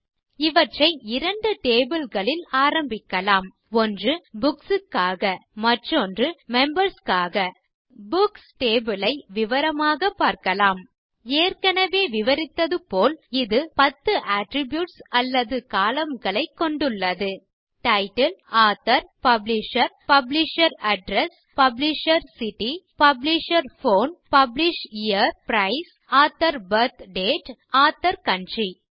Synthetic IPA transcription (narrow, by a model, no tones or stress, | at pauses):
ɪʋɐʈrɐɪɪɾɐɳɖɯʈeːbɪlɣɐɭɪlaːɾɐmbɪkːɐlaːm | ɔndrɯbʊksɯkːaːɣɐmɐʈrɔndrɯmɛmbɐɾskaːɣɐ | bʊksʈeːbɪlɐɪʋɪʋɐɾɐmaːɣɐpːaːɾkɐlaːm | eːrkɐnɐʋeːʋɪʋɐɾɪt̪ːɐðɯpoːlɪðɯpɐt̪ːɯʔaːʈɾɪbjuːʈsɐlːɐðɯkaːlɐmɡɐɭɐɪkːɔɳɖɯɭːɐðɯ | ʈɐɪʈɐlaːt̪ːɐɾpɐblɪʂɐɾpɐblɪʂɐɾɐɖɾɛs | pɐblɪʂɐɾsɪʈːipɐblɪʂɐɾfoːnpɐblɪʂijɐɾpɾɐɪs | aːt̪ːɐɾbɐɾt̪ɖeːʈaːt̪ːɐɾkɐɳd͡ʒi